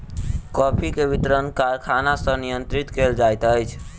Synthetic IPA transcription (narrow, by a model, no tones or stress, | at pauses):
kɔpʰikebit̪ɾənkaɾkʰanasənijənt̪ɾit̪keld͡ʒajt̪əjt͡ʃʰ